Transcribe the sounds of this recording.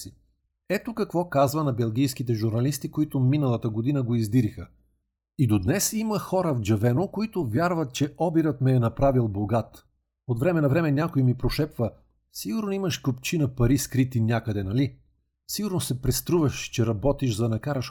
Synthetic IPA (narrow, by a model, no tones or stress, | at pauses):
i | ɛt̪okɐkvɔkazvənɐbɛlˠɡʲijskit̪̬ɛʒuɾnɐlist̪ikoit̪ominəlˠɐt̪əɡod̪inəɡoizd̪iɾixə | id̪od̪nɛsiməxɔɾəvd͡ʒɐvɛnokoit̪ovʲjaɾvɐt̪̚t͡ʃɛʔɔbiɾət̪mɛːnɐpɾavilˠboɡat̪ | ot̪vɾɛmɛnɐvɾɛmɛnʲakojmipɾoʃɛpvə | siɡʊɾnoimɐʃkopt͡ʃinɐpɐɾiskɾit̪inʲakəd̪ɛnɐli | siɡʊɾnosɛpɾɛst̪ɾuvɐʃt͡ʃɛɾɐbɔt̪iʃzɐnɐkaɾəʃ